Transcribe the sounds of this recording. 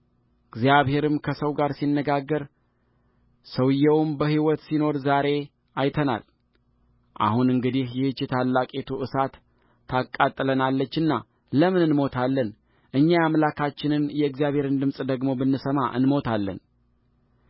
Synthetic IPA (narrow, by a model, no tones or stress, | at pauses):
ɨɡzjaβhe̞ɾɨmkʰəsəwɡaɾsinːəɡaɡːəɾ | səwɨjːɛwmbəhiwɔt̪sino̞ɾzaɾe̞ | ajt̪ʰəna̰l | ʔa̰hunɨŋɡɨd̪ihjɛhɨt͡ʃːɪt̪ʰalːakʼet̪ʰuʔɨsat̪ʰː | akʼːat̪ʼːɨlənalːət͡ʃːɨnːa | ləmɨnɨnmo̞t̪ʰalːən | ʔɨɲːajamlakʰat͡ʃːɪnɨnjɛɨɡzjaβhe̞ɾɨnd̪ɨmsʼd̪əɡmo̞bɨnːɨsəma̰ʔɨ̰nmo̞t̪ʰalːə̰n